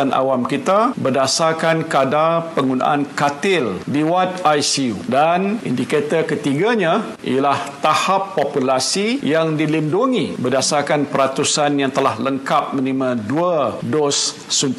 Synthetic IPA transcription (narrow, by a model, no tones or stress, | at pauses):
anʔa̰wamkit̪abərdasarkankadapəŋɡuna̰ʔankat̪ɪldiwat̪̚ajsiudanḭndiket̪əkət̪iɡaɲã | ʔḭjalaht̪ahapːopulasijaŋdilinduŋibərdasakanpəɾat̪usanjaŋt̪əlahləŋkap̚mə̃nimãduadɔsː | unt̪